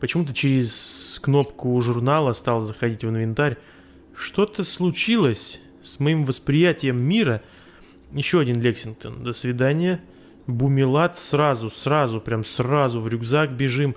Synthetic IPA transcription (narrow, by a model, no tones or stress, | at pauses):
pət͡ɕɪmut̪̬ət͡ɕɪɾʲɪskno̞pkʊʐʊrnalˠəst̪alˠzəxɐdʲitʲvəɨnvʲɪnt̪aɾʲ | ʂt̪o̞t̪əslˠʊt͡ɕilˠəsʲ | smɐimvəspɾʲɪjætʲɪjəmːʲiɾə | jɪɕːo̞ɐdʲinlʲeksʲɪn̚t̪ənd̪əsvʲɪd̪anʲɪjə | bʊmʲɪlˠat̪srazʊsrazʊpɾʲamsrazʊvɾʲʊɡzakbʲɪʐɨm